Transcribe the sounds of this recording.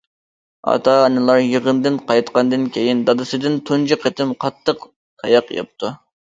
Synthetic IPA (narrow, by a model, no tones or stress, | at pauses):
ɑ̰t̪ʰɑnɨlˠɑɾjəʁənd̪ɨnqɑjt̪qʰɑnd̪ɨnkʲʰejind̪ɑd̪ɨsɨd̪ɪnt̪ʰunt͡ʃʰiqʰət̪ʰɪmqʰɑt̪ʰːəq | t̪ːʰɑ̰jɑqjɑ̰p̚t̪ʰu